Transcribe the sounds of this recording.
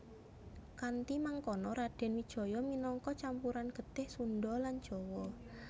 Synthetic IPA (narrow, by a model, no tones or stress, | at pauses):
kant̪imaŋkɔnɔɾaɖ̥ɛ̤nwid̥ʒ̥ɔ̤jɔminɔŋkɔt͡ʃampuɾanɡ̥ə̤t̪ɪhsunɖɔland̥ʒ̥ɔwɔ